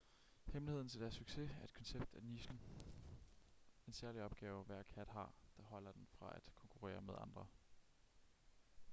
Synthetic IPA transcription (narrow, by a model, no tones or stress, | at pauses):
hemlihe̝ð̰ˠn̩t͡sʰe̝ld̥æɐsːyɡ̥se̝æɐe̝d̥kʰɒ̽nseb̥d̥æɐniɕn̩ | e̝nsæɐliɒ̽b̥̚ɡ̥ɛːʊʋæɐ̰̥kʰæd̥ɦɑ̈d̥ɑ̈ɦɒ̽l̰ɐd̥enfʁɑ̈æd̥kʰɒ̽ŋkʰuʁɛ̰ːɐmeðˠɑ̈nd̥ʁɐ